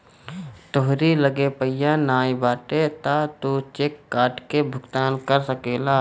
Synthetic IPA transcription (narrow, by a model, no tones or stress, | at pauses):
t̪oɦɾiləɡepəɪjanaːjbaːʈet̪at̪ut͡ʃeːkːaːʈkebʱʊkt̪aːnkəɾsəkeːlaː